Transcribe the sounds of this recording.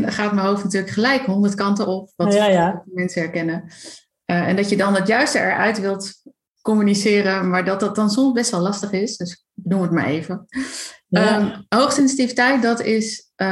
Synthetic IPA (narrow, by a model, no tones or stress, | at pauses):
nχaːtməɦowftnatyːɹləkχəlɛjkɦɔndəɹtkɑntəɔp̚ʋɑmɛnsəɛɹkɛnə | əɛ̰ndɑtjədɑnətjœɥstəɛ̰ɹʔœ̰ɥtʋɪlˠt | kɔmynisɪːɾəmaːɹdɑt̚dɑt̚dɑnsɔmzbɛstʋɛlˠɑstəχɪsdøs | bədulˠətma̰ɹejvə | əɦowχsɪnsitivitɛjt̚dɑtɪs